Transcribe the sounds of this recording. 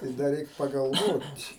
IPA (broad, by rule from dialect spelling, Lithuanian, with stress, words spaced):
tɐɪ ˈdɐ ˈrʲɛɪk pɐɡɐlˠˈʋoːtʲ